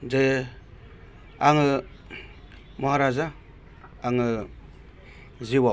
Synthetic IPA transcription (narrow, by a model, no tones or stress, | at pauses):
ze | aŋɯ | moɦaɾazaː | ŋɯ | ziwa